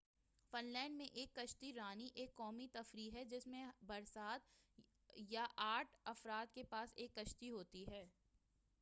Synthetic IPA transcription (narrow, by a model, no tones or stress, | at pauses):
fɪnlɛ̃ːɳɖmẽʔeːkːɐʃt̪iɾaːniʔeːkːɔːmit̪ɐfɾiːɦɛd͡ʒɪsmẽbɐɾsaːd̪ | jaʔaːʈʰɐfɾaːd̪̚kepaːseːkːɐʃt̪iɦoːt̪iɦɛː